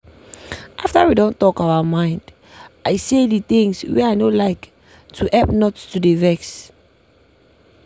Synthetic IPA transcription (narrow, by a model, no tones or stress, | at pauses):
ʔaftawidõntɔkawamãɪ̃nd | aɪsedit̪ĩŋswɛajnolaɪk | tʰuʔɛp̚nɔttudevɛks